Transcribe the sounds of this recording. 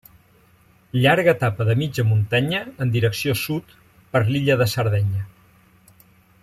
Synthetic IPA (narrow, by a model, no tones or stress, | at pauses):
ʎaɾɣət̪apəðəmid͡ʒəmunt̪aɲəːnd̪iɾəksiosut̪ | pəɾliʎəðəsəɾðɛɲə